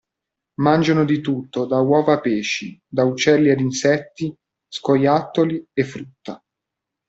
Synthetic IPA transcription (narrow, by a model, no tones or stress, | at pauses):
mand͡ʒanod̪it̪ut̪ːod̪awɔːvapeːʃid̪aut͡ʃːɛlːiad̪insɛt̪ːi | skojat̪ːoliefːɾut̪ːa